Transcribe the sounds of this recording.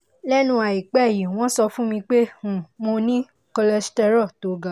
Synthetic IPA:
lɛ˦nũ˧˦a˨i˨k͡pɛ˦˨ji˨w̃ɔ̃˦sɔ˧fũ˦mĩ˧k͡pẽ˦˨mo˧nĩ˦ | kɔ˧lɛ˧stɛ˧ɾɔ˦˨to˨˦ɡa˨

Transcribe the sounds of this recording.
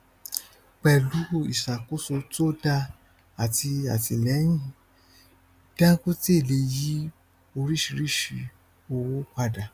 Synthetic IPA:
k͡pɛ˨lu˨˦˨ḭ˨ʃa˨ko˦so˧to˦da˧ | a˨ti˧a˨ti˧lɛ˨˦j̃ĩ˦˨ | d̥ã˦ku˦ti˦e˦˨le˧˦ji˨˦ | o˧ɾi˦ʃi˧ɾi˦˨ʃi˧ | o˧wo˦k͡pa˧da˨

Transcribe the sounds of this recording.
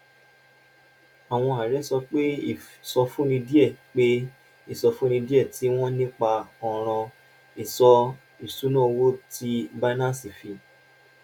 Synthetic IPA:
a˨w̃ɔ̃˧a˨ɾɛ˨˦sɔ˧k͡pe˦i˦˨sɔ˧fũ˦nĩ˧di˦ɛ˦˨k͡pe˦ | i˦˨sɔ˧fũ˦ñĩ˧di˦ɛ˦˨ti˨˦w̃ɔ̃˦nĩ˦k͡pa˧ɔ˨ɾ̃ã˧ | i˨sɔ˧ | i˨su˨˦nã˦o˧wo˦ti˧ba˦nã˦˨si˨fi˧

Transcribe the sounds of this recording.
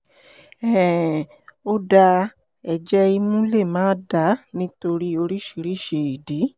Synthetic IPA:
ɛ˨ | o˦da˧ | ɛ˨d͡ʒɛ˦i˧mũ˦le˦˨mãː˦da˨˦nĩ˦to˧ɾi˦o˧ɾi˦ʃi˨˧ɾi˦ʃe˨i˨di˨˦

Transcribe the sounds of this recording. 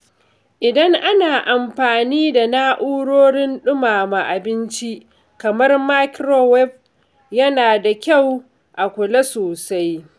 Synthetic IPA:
ʔɪ˨dɐ˦ŋʔa˦naː˨ʔa˨mɸaː˨niː˦da˨naː˦ʔuː˦ɽoː˦ɽɪ˦nɗʊ˦maː˨ma˨ʔa˨bɪ˦nt͡ʃi˦ʔ | kɐ˨mɐ˦rma˦kɾo˦wɛ˦ɸ | jɐ˦naː˨da˨kʲa˦˨w | ʔa˨kʷʊ˨la˦soː˨sa˦j

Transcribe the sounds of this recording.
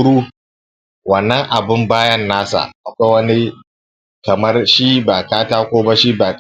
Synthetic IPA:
ɽuː˦ | wɐ˨nːɐ˦ŋʔa˨bɪ˦mbaː˦jɐ˦nːaː˦sa̰˨ʔa˨kʷa˦wɐ˦ni˦ | kɐ˨mɐ˦rʃi˦baː˨kaː˦taː˦kʷoː˦ba˦ʃi˦baː˨k

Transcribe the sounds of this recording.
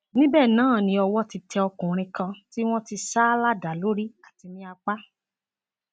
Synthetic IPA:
nĩ˦bɛː˦˨nãː˨˦˨nĩ˨˧˦ɔ˧wɔ˦ti˧tɛ˧ɔ˧kũ˨ɾ̃ĩ˧kã˧ti˦w̃ɔ̃˦ti˧saː˦la˦da˨lo˦ɾi˦a˨ti˧mĩ˦a˧k͡pa˦

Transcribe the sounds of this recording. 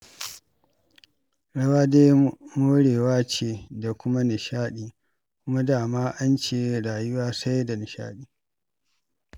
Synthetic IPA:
ɽɐ˦waː˦deː˦mo˦ɽeː˨waː˦t͡ʃeː˨da˨kʷʊ˦ma˦nɪ˨ʃaː˦ɗiː˨ | kʷʊ˦ma˦daː˦˨maː˦ʔa˦nt͡ʃeː˨˦ɽaː˨jʊ˦waː˦sa˦jda˨nɪ˨ʃa̰ː˦ɗiː˦˨

